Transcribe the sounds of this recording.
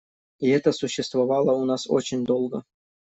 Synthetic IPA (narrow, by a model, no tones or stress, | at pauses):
iɛt̪əsʊɕːɪst̪vɐvɑlˠəunaso̰t͡ɕɪnʲd̪olˠɡə